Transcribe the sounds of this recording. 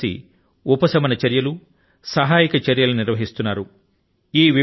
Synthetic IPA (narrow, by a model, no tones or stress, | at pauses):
ḭ | upɐsɐmɐnɐt͡ʃɐɾjɐlu | sɐɦaːjikɐt͡ʃɐɾjɐluniɾʋɐɦist̪unːaːɾu | iːʋi